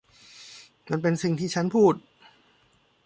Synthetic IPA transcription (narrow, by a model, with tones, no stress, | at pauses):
ma˧npe˧nsi˨˩ŋt̪ʰiː˥˩t͡ɕʰa˦˥npʰuː˥˩t̪̚